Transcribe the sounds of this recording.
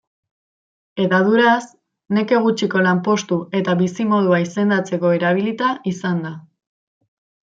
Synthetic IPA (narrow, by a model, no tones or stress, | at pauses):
e̞ðaðuɾas | ne̞ke̞ɣ̞ut͡ʃiko̞lampo̞st̪ue̞t̪aβisimo̞ð̞uaise̞nd̪at͡se̞ko̞e̞ɾaβ̞ilit̪aisand̪a